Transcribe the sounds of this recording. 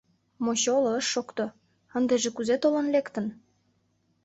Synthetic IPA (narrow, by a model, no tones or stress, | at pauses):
moɕolɤ̆əʃːokt̪o | ə̆nd̪eʒĕkuzet̪olɤ̆nlekt̪ə̆n